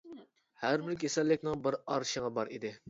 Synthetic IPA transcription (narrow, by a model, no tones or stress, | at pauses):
hæɾbɪɾkʲʰesɛlːɪkʲnɪŋbɪɾɑɾʃəʁɑbɑɾʔid̪ɪ